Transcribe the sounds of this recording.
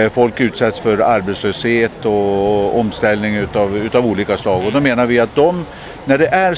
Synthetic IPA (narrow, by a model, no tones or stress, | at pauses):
fɔlkʉ̟ːt̪sɛt̪sfœɾaɾbet̪sløːsheːt̪ɔɔmst̪ɛlnɪŋʉ̟t̪ɑvʉ̟ːt̪ɑvuːliːkaslɑːɡɔd̪ɔmeːnaɾvɪat̪̚d̪ɔm | næɖɛʔæɾ